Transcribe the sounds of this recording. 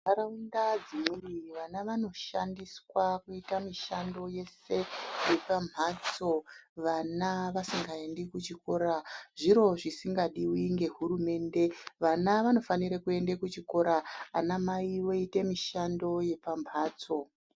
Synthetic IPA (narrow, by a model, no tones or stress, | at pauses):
aɾaundad͡zimiiʋanaʋano̞ʃandiswakuitamiʃando̞je̞se̞je̞pam̤at͡so̞ʋanaʋasiŋɡae̞ndekut͡ʃiko̞ːɾaʐiɾo̞ʐisiŋɡaɗiwiŋɡe̞ɦuɾume̞nde̞ʋanaʋano̞faniɾekue̞ndekut͡ʃiko̞ɾaːnamaiwo̞ite̞miʃando̞je̞pamʱaːt͡so̞